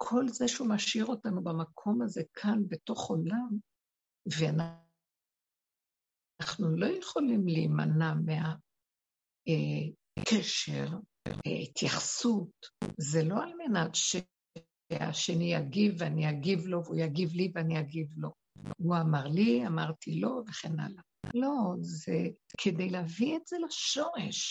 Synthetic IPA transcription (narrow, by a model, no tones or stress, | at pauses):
kʰo̞lzeʃeumaʃiʁo̞tanubamakʰo̞maze̞kʰanbe̞to̞χo̞lam | veana | aχnulo̞jeχolimliːma̰namea | e | kʰeʃḛʁ̰ | itjaχsutzelo̞almenatʃe | a̰ʃenijaɡivanijaɡivlo̞vujaɡivliveanijaɡivlo̞ | uamaʁliamaʁtʰilo̞veχena̰la | lo̞zekʰedejlavietz̥elaʃo̞ʁḛʃ